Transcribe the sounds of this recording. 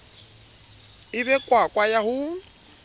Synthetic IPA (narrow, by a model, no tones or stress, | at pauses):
ɪbɛkʼwakʼwajahʊ